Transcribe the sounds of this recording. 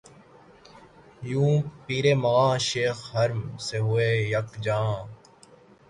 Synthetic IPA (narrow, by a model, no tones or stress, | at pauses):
jũːpiːɾeːmɐãːʃeːxɦɐɾmseɦʊeːjəkd͡ʒãː